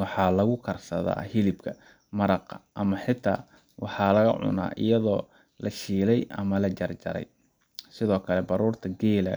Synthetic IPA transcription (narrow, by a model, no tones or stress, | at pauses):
wɑħɑːlɐɣʊkʰɐrsɐða̰ːhɪlɪbkʰɐ | mɐɾɑqɐʔɐmɐħɪt̪ʰaː | wɑħɑːlɐɣɐʕʊ̰na̰ːʔɪ̰jɐðɔː | lɐʃiːlɛjɐ̰mɐlɐt͡ʃɐrd͡ʒɐ̰ɾɛ̰j | sɪðɔːkʰɐlɛbɑɾuːrt̪ʰɐɡɛːlɐ